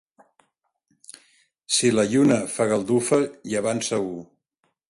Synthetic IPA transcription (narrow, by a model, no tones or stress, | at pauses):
siləʎunəfaɣəlˠd̪ufəiəβansəu